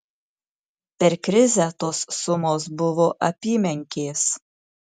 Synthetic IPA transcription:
pʲɛɾkɾʲɪzʲɛt̪oːsːʊmoːs̬bʊʋoːʔɐpʲiːmʲɛŋʲkʲeːs

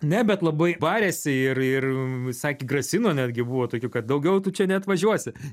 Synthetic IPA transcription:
nʲɛbʲɛt̪lˠɐbɐɪbɑːɾʲeːsʲɪɪrɪrsɑːkʲiːɡrɐsʲɪnoːnʲæːdʲɡʲɪbuːʋoːt̪oːkʲuːkɐt̪̚d̪ɐʊɡʲɛʊt̪ʊt͡ʃʲɛnʲɛɐt̪ʋɐʒʲuɔsʲɪ

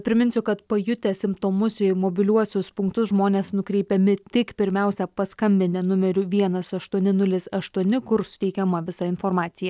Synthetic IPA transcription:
pʲɾʲɪmʲɪnʲsʲʊkɐt̪pɐjʊt̪ʲɛsʲɪmpt̪oːmʊsɪmoːbʲɪlʲuɔsʲʊspʊŋkt̪ʊsʒmoːnʲeːsnʊkɾʲɛɪpʲɛmʲɪt̪ʲɪkpʲɪɾʲmʲæˑʊsʲɛpɐskɐmʲbʲɪnʲɛnʊmʲɛɾʲʊʋʲiɛnɐsɐʃt̪uɔnʲɪnʊlʲɪsɐʃt̪uɔnʲɪkʊɾsʊ̥t̪ʲɛɪkʲɛmɐʋʲɪsɐɪnfoːɾmɑːt̪sʲɪjɛ

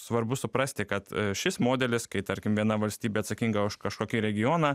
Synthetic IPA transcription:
sʋɐrbʊsʊpɾɐsʲt̪ʲɪkɐt̪ʃʲɪsmoːd̪ʲɛlʲɪskɐɪt̪ɐɾʲkʲɪmʋʲiɛnɐʋɐlʲsʲt̪ʲiːbʲeːɐt̪sɐkʲiŋɡɐʊʃkɐʃkoːkʲiːɾʲɛɡʲɪjoːnɑː

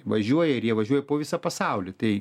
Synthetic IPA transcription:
ʋɐʒʲuɔjɛɪrjiɛʋɐʒʲuɔjɛpoːʋʲɪsɐpɐsɑʊlʲɪt̪ɐɪ

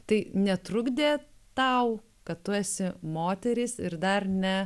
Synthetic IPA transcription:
t̪ɐɪnʲɛt̪ɾʊɡd̪ʲeːt̪ɐʊ | kɐt̪t̪ʊæːsʲɪmoːt̪ʲɛɾʲɪsɪɾd̪ɐrnʲɛ

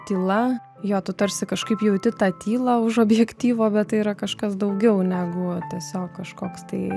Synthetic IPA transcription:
t̪ʲiːlˠɐ | joːt̪ʊt̪ɐɾʲsʲɪkɐʃkɐɪpjɛʊt̪ʲɪt̪ɑːt̪ʲiːlˠɑʊʃoːbʲjɛkt̪ʲiːʋoːbʲɛtt̪ɐɪiɾɐkɐʃkɐsd̪ɐʊɡʲɛʊnʲæːɡʊt̪ʲiɛsʲoːkkɐʃkoːkst̪ɐɪ

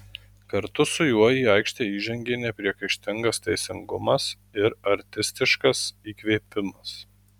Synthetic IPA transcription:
kɐɾt̪ʊsʊjuɔjiːɐɪkʃʲt̪ʲeːiːʒʲɛŋʲɡʲeːnʲɛpʲɾʲiɛkɐɪʃʲt̪ʲɪŋɡɐst̪ʲɛɪsʲɪŋɡʊmɐs | ɪɾɐɾʲt̪ʲɪsʲt̪ʲɪʃkɐsiːkʋʲeːpʲɪmɐs

